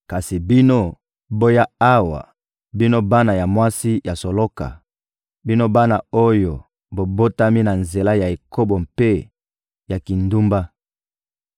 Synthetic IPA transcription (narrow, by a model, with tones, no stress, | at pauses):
ka˨si˨bi˦no˦ | bo˦ja˦a˦wa̰˨ | bi˦no˦ba˦na˨ja˨mwa˦si˦ja˨so˨lo˦ka̰˨ | bi˦no˦ba˦na˨o˦jo˨ | bo˨bo˦ta˦mi˦na˨nze˨la˦ja˨e˨ko˦bo˨mpe˦ | ja˨ki˨ndu˦mba˦